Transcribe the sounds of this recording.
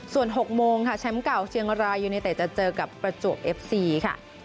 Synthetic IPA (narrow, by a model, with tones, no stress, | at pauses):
su˨˩ənɦo˨˩k̚moː˧ŋkʰa˥˩t͡ɕʰɛ˦˥mka˨˩wt͡ɕʰi˧əŋɾaː˧jːuː˨˩na˧jt̪ɛː˨˩t͡ɕa˨˩t͡ɕɤː˧ka˨˩pːɾa˧t͡ɕu˨˩ək̚ʔe˦˥p̚siː˧kʰa̰˥˩